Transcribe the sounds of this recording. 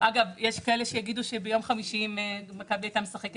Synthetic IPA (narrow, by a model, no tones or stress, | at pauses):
ʔaɡavjeʃkaeleʃejaɡiduʃebejo̞mχamiʃimemekabilat̪amesaχek